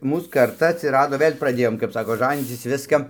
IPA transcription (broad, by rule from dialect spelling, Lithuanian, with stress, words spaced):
ˈmuːs kɐrˈtɐ ɐtʲsʲɪˈrɑːdoː ˈʋɘlʲ prɐˈdʲeːjoːm kɐp ˈsɑːkoː ˈʒɑːnʲiːt͡sʲɪs ˈʋʲɪskɐ